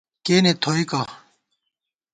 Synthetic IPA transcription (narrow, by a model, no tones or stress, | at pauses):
keːnet̪ʰoːika